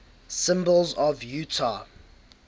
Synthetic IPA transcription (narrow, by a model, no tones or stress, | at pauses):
sɪ̃mbəlˠzɔvjʉtʰa